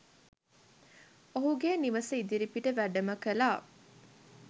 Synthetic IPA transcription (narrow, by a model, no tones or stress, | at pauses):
oɦuɡeːniʋəsəid̪iɾipiʈəʋæɖɐmɐkɐlaː